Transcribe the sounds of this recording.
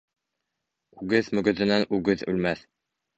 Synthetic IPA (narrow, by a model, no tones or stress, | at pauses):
ʉɡɘðmɵ̆ɡɵ̆ðɘ̆nænʉɡɘðʉ̰lmæθ